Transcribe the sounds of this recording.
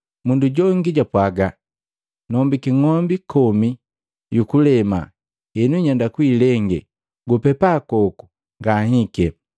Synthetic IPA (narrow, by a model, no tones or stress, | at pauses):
munduɟɔŋɡiɟapwaɡa | nɔmbikiŋɔmbikɔmi | jukulɛma̰ | ɛnuiɲandakwilɛŋɡɛ̰ | ɡupɛpakɔku̥ | ŋɡahikɛ